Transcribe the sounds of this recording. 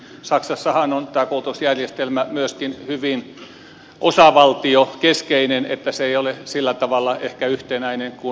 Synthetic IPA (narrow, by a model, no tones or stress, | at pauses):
sɑksɑsːɑhɑnont̪æːkoˑut̪usjærjest̪elmæmyøskinhyʋin | ʔosɑʋɑlt̪iokeskeinenḛt̪ːæseeijolesilːæt̪ɑʋɑlːˑɑʔehkæyht̪enæineŋku